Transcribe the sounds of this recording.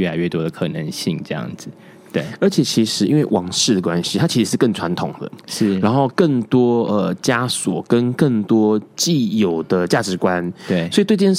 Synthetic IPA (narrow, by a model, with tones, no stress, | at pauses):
ɥɛ˥˩a˧˦ɪɥɛ˥˩t̪wɔ˥d̪ə˨kʰɤ˨˩nə˧˦ŋɕi˥˨ŋʈ͡ʂɤ˥˧jɑ̰˥˩ŋd͡z̩˨˩ | t̪we˥˩ə˞˧˥t͡ɕʰjɛ˨˩t͡ɕʰi˧˥ʂɻ̩˧˥i˥nwe˥˩ɪwʔɑ˧˥ŋʂɻ̩˥˩d̪ə˩kwa˦nɕi˥t̪ʰa˥t͡ɕʰi˧˥ʂɻ̩˧˥ʂɻ̩˥˧kə˥˩ŋt͡sʰwa˧˦nt̪ʰʊ˨˩ŋd̪ə̰˦ʂ̩˥˩ɻa˧˥nxo˥˧ʊkə˥˩ŋt̪wɔ˥ə˨t͡ɕja˥swɔ˨˩kə˦˥nkə˥˩ŋt̪wɔ˥t͡ɕi˥˩jo˨˩ʊd̪ə˨t͡ɕja˥˩ʈ͡ʂɻ̩˨˧˥kwa˦nwe˥˩swtwe˥˧˥j